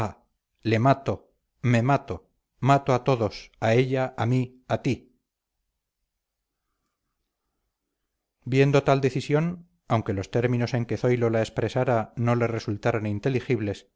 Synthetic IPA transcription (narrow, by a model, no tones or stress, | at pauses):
a | le̞mat̪o | me̞mat̪o | mat̪oat̪o̞ðo̞sae̞ʎaami | at̪i | bje̞nd̪ot̪ald̪e̞θisjo̞n | awŋke̞lo̞st̪e̞ɾmĩno̞se̞ŋke̞θo̞jlo̞lae̞spɾe̞saɾano̞le̞re̞sult̪aɾo̞nint̪e̞lixiβle̞s